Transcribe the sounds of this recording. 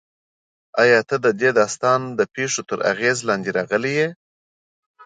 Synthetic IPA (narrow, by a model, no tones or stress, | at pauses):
ɑjɑt̪əd̪əd̪ed̪ɑst̪ɑnd̪əpeʂot̪əɾa̰ɣezlɑnd̪eɾɑɣəleje